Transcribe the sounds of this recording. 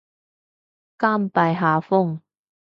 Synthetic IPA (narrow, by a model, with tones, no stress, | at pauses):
kaː˥˩mpa˨jɦaː˨fʊ˥ŋ